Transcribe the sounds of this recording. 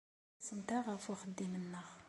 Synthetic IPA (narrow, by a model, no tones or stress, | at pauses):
sənt̪aʁafuχəd̪ːimənːəʁ